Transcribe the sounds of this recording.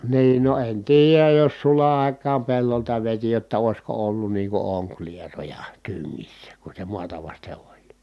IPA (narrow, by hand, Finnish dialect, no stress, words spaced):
niːn no en tiːjæj jos sulɑ ɑˑi̯kˑɑːm pelːoltɑ ʋeti jotːɑ oˑi̯sko olːun niː ku oŋklierojɑ tyŋːisːæ ku se muɑtɑ ʋɑste olʲ